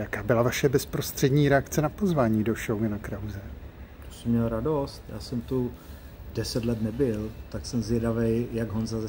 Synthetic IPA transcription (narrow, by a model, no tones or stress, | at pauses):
jakaːbɪlavaʃɛbɛspɾo̞st̪r̝̥ɛdɲiːɾɛakt͡sɛnapozvaːɲiːdo̞ʃownakɾawzɛt̪osɛmɲɛlɾado̞st̪ja̰ːsɛmt̪u | dɛsɛt̪lɛt̪nɛbɪlt̪aksɛmzvjɛdavɛjjaɡɦonzazɛ